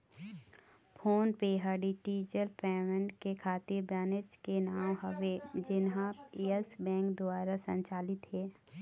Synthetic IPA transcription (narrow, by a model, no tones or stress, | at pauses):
pʰoːnpeːɦəɖiʈiːd͡ʒəlpɛːmə̃ɳʈkekʰaːt̪ɪɾbɛːnɪd͡ʒkenaːwɦəʋed͡ʒɪnɦãiəsbɛ̃ːŋkd̪ʊaːɾasə̰̃ɲt͡ʃaːlɪt̪ɦɛː